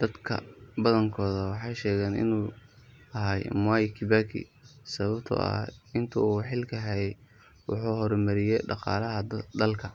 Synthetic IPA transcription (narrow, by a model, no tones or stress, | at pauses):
d̪̥ɐd̪kʰɐ̰bɐðɐŋkʰɔːðɐwɑħɑjʃɛːɣɛːnɪ̰nuː | ɐɦaːjmwajkʰɪbakʰḭ | sɐβɐbt̪ʰɔ̰ɐ̰ɪnt̪ʰɐuːħɪlkʰɐɦɛjɛ | wʊħuːhɔɾmɐɾɪjɛɖɑqɑ̰ːlɐɦɐd̪ɐlkʰɐ